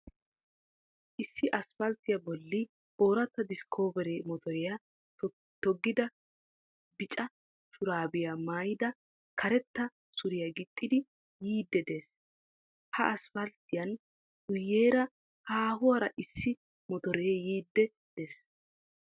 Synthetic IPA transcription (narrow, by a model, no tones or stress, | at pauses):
ʔɪsːɪʔɐsfɐlt̪ɪjɐbɔlːɪ | o̞ːɾɐt̪ːɐd̪ɪskʰo̞ːbɛɾemɔt̪ɔɾɛjɐ | t̪ɔɡːɪd̪ɐ | bɪt͡ʃʼɐ | ʃʊɾaːbɪjamaːjɪd̪ɐ | kʰɐɾɛt̪ːɐ | sʊɾɪjaɡɪt̪ʼːɪd̪ɪ | jiːd̪ːɛd̪eːs | hɐʔɐsfɐlt̪ɪjɐn | ʔʊjːeːɾɐ | haːhʊwɐɾɐʔɪsːɪ | mɔt̪ɔɾɛjiːd̪ːɛ | d̪̥eːs